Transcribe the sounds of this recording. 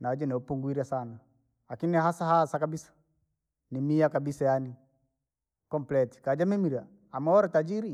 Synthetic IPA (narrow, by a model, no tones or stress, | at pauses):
nad͡ʒɛnɛɔpuŋɡwiɾasana | lakiniɦasahasakabisḁ | nimiakabisajani | kɔmplɛti̥kad͡ʒamimiɾaː | maɔɾɛtad͡ʒiɾi